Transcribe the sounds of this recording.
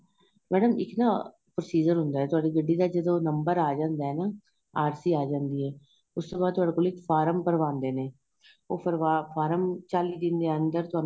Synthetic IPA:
mɛːɖəmɪknaː | pɾoːsiːd͡ʒəɾɦʊnd̪aːɦɛːt̪ʊaːɖiːɡəɖːiːd̪aːd͡ʒəd̪õːnəmbəɾaːd͡ʒãːnd̪aːɦɛːnaː | aːɾsiːaːd͡ʒãːnd̪iːɦɛː | ʊst̪oːbaːd̪̚t̪ʊɦaːɖeːkoːlɪkpʰaːɾəmpəɾʋãːnd̪eːneː | oːpəɾʋapʰaːɾəmt͡ʃaːliːd̪ɪnd̪eːənd̪əɾt̪ʊaː

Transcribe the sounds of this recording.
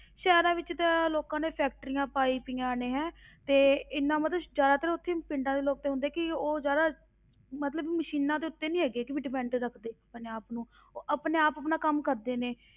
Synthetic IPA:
ʃɛːɾãːʋɪt͡ʃt̪aloːkãːneːpʰɛːk̚ʈəɾijãːpaːiːpiːãːneːɦɛ̃ːt̪eːɪnːãːmət̪əd͡ʒjaːd̪aːt̪əɾːʊt̪ʰːeːpɪɳɖãːd̪eːloːk̚t̪eːɦʊ̃nd̪eːɛːkɪoːzjaːd̪aː | mət̪ləbməʃiːnãːd̪eːʊt̪ːeːnĩːɦɛːɡeːkɪʋiːɖɪpɛ̃ːɳʈɾəkʰd̪eːəpneːaːpnũː | ʔəpneːaːpəpnaːkəmkəɾd̪eːneː

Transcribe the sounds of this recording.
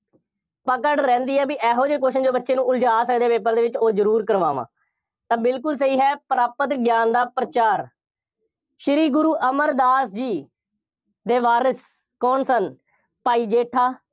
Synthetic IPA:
pəkəɽɾɛ̃ːnd̪iːɛːbiːʔɛːɦoːd͡ʒeːkoːʃənd͡ʒoːbətːʃẽːnũːʊld͡ʒaːsək̚d̪eːpeːp̬əɾd̪eːʋɪt͡ʃoːzəɾuːɾkəɾʋa̰ːʋã̰ː | t̪ãːbɪlkʊls̬əiːɦɛːpɾaːpət̪ɡjaːnd̪aːpɾət͡ʃaːɾ | ʃɪɾiːɡʊɾuːʔəməɾd̪aːsd͡ʒiː | d̪eːʋaːɾəskɔːnsən | paːiːd͡ʒeːʈʰaː

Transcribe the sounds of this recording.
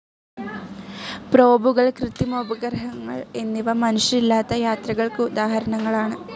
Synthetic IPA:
pɾo̞ːbuɣɐɭkrɨt̪imoːbɐɡɐɾɦɐŋːɐɭenːiʋɐmɐnuʂɐilːaːt̪ːɐjaːt̪rɐɣɐɭkɨud̪aːɦɐɾɐɳɐŋːɐɭaːɳɨ

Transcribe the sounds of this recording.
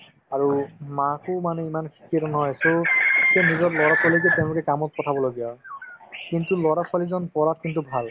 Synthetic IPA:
aɹumãkʊmanɛimankʰi̥kːiatɔnɔɦɔjasʊ̃zenizɔtlɔɹapʰɔlikɛteʊ̃lʊkɛkamɔt̚pɔtʰabɔloɡijɔ | kintulɔɹapʰalizɔnpɔɹat̚kintubʱal

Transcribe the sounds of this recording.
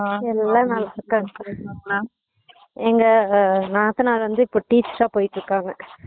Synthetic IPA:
ɛlːãːnɐlaɾkːaːŋɡɐnãː | ɛŋɡɐnãːɐt̪ːɐnaːlʋɐnd̪ɯɪpːoːʈiːt͡ʃsãːpoːjʈːɾɯkːaːŋɡɐ

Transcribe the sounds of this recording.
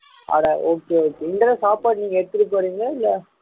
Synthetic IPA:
ʔa̰ːðaʔoːkːeoːkːeɪnɖɾɐsaːpaːʈniːŋɡɐɛɽɯt̪ːɪɾɯk̬ːɐɾiːŋɡɐɪlːɐ

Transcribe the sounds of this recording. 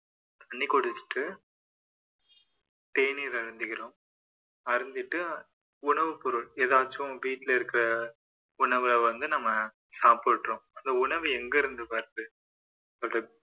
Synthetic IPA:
t̪ɐɳːikɔɽɯt͡ʃːɯ̥ʈːɯ | ʈeːniɾɐɾɯnd̪ɯkɪɾõːm | ɐɾɯnd̪ɪʈːɯ | ʊɳɐʋɯpɔɾɯɭeːðaːt͡ʃːʊ̃ʋiːʈːɪlɐɪɾɯkːɪɾɐ | ʊɳɐʋɯlɐʋɐnd̪ɯnɐmːɐ | saːpɯʈːɾõːɐnd̪ɐʊɳɐʋɯɛŋɡɐɪɾɯnd̪ɯpaːɾðɯ | t̪ɐrɐ

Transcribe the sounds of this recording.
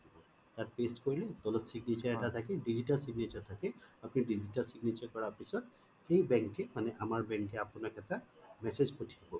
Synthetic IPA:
t̪at̚pestkoɹiled̪ɔlɔtsiɡnit͡ʃaɹɛʈat̪ʰakɛɖid͡ʑiʈalsiɡnet͡ʃaɹt̪ʰakeapniɖid͡ʑitalsiɡnit͡ʃaɹkɔɹapisɔd̪ | xejbɛŋkemanɛʔamaɹbɛŋkeapunakʰɛt̪amɛsezpotʰijabɔ

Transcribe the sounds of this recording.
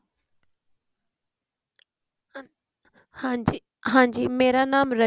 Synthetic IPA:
hai | ɦãːɲd͡ʑiːmeːɾanaːmɾɐ

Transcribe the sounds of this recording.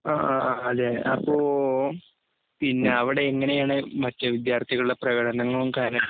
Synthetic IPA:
aːɐðeɐpːoː | pinːeɐʋiɽe̞ːŋːɐne̞jaːɳɨmɐtːeʋid̪jaːrt̪ʰiɣɐɭuɭːɐprɐɣɐɽɐnɐŋːɐɭumkaːɾɐ

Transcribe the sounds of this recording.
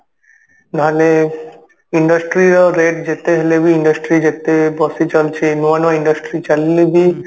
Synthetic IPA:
d̪ʱale | iɳɖasʈɾiɾaɾeʈ̚d͡ʑet̪eɦelebiiɳɖasʈɾid͡ʑet̪ebɔsit͡ɕolt͡ɕʰenuanoiɳɖasʈɾit͡ɕalːebi

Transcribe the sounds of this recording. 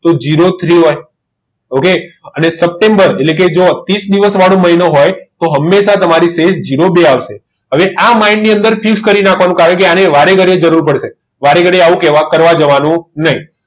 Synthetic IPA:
t̪od͡ʒiɾot̪ʰɾiɦoj | okeənesəp̚ʈẽmbəɾeʈlek̬ed͡ʒot̪isd̪iʋəsʋaɽõməɦinoɦojt̪oɦəmːeʃat̪əmaɾisesd͡ʒiɾobeaʋʃe | ɦəʋeʔamainniə̃nd̪əɾfikskəɾinakʰʋanũkaɦokeaneʋaɾeɡəɽed͡ʒəɾuɾpəɽʃe | ʋaɾeɡəɽeaʋũkeʋakəɾʋad͡ʒəʋanũnəɦĩ

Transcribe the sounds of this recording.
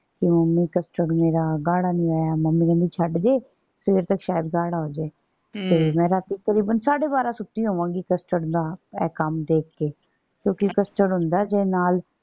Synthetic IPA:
kɪməmːĩːkəsʈəɽmeːɾaːɡaːɽaːnĩːaːjaːməmːiːɡɛ̃ːnd̪iːt͡ʃʰəɖd͡ʒeː | sʋeːɾt̪əkʃaːjɪd̪ɡaːɽaːɦoːd͡ʒaː | t̪eːmɛ̃ːɾaːt̪iːk̪əɾiːbənsaːɽeːbaːɾãːsʊt̪ːiːɦoːʋãːŋɡiːkəsʈəɽd̪aːɛːkəmd̪eːkkeː | kjõːkɪkəsʈəɽɦʊ̃nd̪aːd͡ʒeːnaːl

